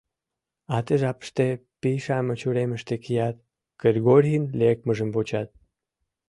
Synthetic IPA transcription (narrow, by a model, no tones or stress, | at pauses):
at̪əʒapə̥ʃt̪epiʃamət͡ɕuɾɛməʃt̪ekijat̪̚ | kəɾɡɔɾhinlek̚məʒəmbut͡ɕat̪̚